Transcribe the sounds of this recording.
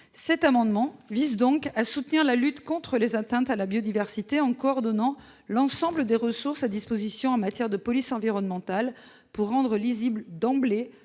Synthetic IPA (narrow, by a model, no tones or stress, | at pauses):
sɛt̪amɑ̃d̪mɑ̃vizd̪ɔ̃kasut̪niʁlalyt̪kɔ̃t̪χəlezat̪ɛ̃t̪alabjod̪ivɛʁsit̪eɑ̃kɔːʁd̪ɔnɑ̃ | lɑ̃sɑ̃bləd̪eʁəsuʁsad̪ispozisjɔ̃ɑ̃mat̪jɛʁd̪əpɔlisɑ̃viʁɔnmɑ̃t̪al | puʁːɑ̃d̪ʁəlizibləd̪ɑ̃ble